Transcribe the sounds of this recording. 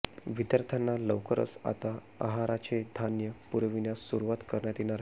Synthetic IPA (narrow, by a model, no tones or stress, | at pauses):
ʋid̪jaɾt̪ʰanːaləʋwkəɾə̰t͡sa̰t̪a | a̰ɦaɾat͡ɕed̪ʱanjəpuɾʋinjasuɾuʋat̪kəɾɳjat̪inaɾ